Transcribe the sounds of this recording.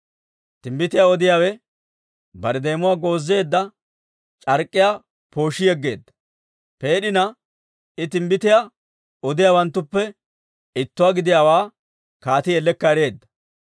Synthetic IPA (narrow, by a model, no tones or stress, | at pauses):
t̪ɪmbɪt̪ɪjaɔd̪ɪjaːwɛ | bɐɾɛd̪e̞ːmʊwaːɡo̞ːzːe̞ːd̪ːɐ | t͡ʃʼɐɾkʼːɪja | po̞ːʃːɪjɛɡːe̞̰ːd̪ːɐ̥ | pe̞ːɗɪnɐ | ɪt̪ɪmbɪt̪ɪja | ɔd̪ɪjaːwɐnt̪ːʊpːɛ | ɪt̪ːʊwaːɡɪd̪ɪjawaː | kaːt̪ɪjɛlːɛkːɐɾe̞ːd̪ːɐ̥